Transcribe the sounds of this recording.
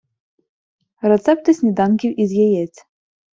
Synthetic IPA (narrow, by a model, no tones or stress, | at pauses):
rɛt̪sɛp̚t̪ɨsʲnʲid̪ankʲiwʔizʲjɛjɛt͡sʲ